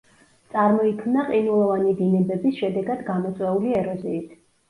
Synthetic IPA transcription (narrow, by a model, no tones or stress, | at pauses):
t̪sʼaɾmɔikʰmnaqʼinulˠɔvanid̪inɛbɛbisʃɛd̪ɛɡad̪ɡamɔt̪sʼwɛuliɛɾɔziːt̪ʰ